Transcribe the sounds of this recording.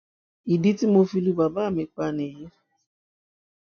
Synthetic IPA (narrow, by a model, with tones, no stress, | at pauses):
i˨di˦ti˦mo˧fi˧˦lu˦ba˨baː˦˨mɪ̃˨k͡pa˧ne˨je˦